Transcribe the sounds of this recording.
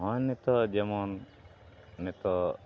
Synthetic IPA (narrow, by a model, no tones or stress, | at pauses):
ɦɔ̃nːɛt̪ɔd͡ʒɛmɔnː | ɛt̪ɔ